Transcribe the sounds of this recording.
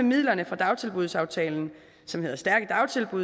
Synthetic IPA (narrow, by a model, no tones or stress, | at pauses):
emið̰ˠlɐnəfʁɑ̈d̥ɑ̈ʊt͡sʰe̝lb̥uð̞ˠsɑ̈ʊt͡sʰɛ̰ːln̩ | sɒ̽mhe̝ð̰ˠɐsd̥æɐɡ̥əd̥ɑ̈ʊt͡sʰe̝lb̥uð